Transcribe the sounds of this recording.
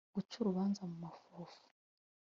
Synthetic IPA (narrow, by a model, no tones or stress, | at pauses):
ɡut͡ʃuɾuβaːnzamumafoːfu̥